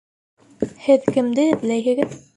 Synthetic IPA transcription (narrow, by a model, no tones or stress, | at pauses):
hɘðkɘ̆md̪ɘblæjɘ̆ɡɘð